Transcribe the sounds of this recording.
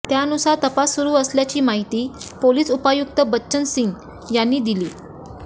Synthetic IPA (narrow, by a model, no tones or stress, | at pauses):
t̪jaənusaɾt̪əpasːuɾuːəsljat͡ɕiːmaɦit̪iːpoliːsupajuk̚t̪əbətːɕənsin | janːiːd̪iliː